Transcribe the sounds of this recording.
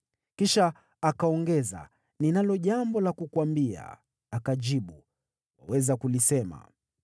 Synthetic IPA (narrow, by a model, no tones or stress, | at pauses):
kiʃaː | kaɔŋɡɛza̰ | ninalɔʄambɔlakukwambia̰ː | kaʄiɓu | wawɛzakulisɛma̰